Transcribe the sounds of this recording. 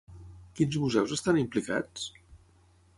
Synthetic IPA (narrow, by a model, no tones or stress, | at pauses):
kinzmuzɛwzəst̪animplika̰t͡s